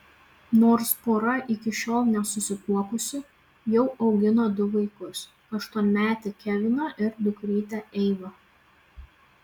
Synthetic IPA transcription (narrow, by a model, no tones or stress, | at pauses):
noːɾspoːɾɐʔɪkʲɪʃʲoːlˠnʲɛsʊsʲɪkuɔkʊsʲʊ | jɛʊʔɒʊɡʲɪnoːd̪ʊʋɐɪkʊs | ɐʃt̪uɔnʲmʲæːt̪ʲɪkʲæʋʲɪnoːʔɪɾd̪ʊkɾʲiːt̪ʲɛʔɛɪʋo